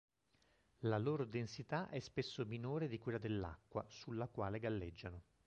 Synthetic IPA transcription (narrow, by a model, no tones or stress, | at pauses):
laloːɾod̪ensit̪aʔɛspesːominoːɾed̪ikwelːad̪elːa̰kːwa̰sulːakwaːleɡalːed͡ʒːano